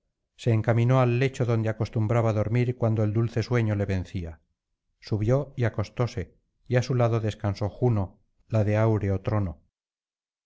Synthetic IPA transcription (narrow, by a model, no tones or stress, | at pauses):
se̞ːŋkamĩno̞alːe̞t͡ʃo̞ðo̞nd̪eako̞st̪umbɾaβaðo̞ɾmiɾkwand̪oeld̪ulθe̞sweɲo̞le̞βe̞nθia | suβjo̞iako̞st̪o̞se̞ | iasulaðo̞ðe̞skanso̞xuno̞ | laðe̞awɾeot̪ɾo̞no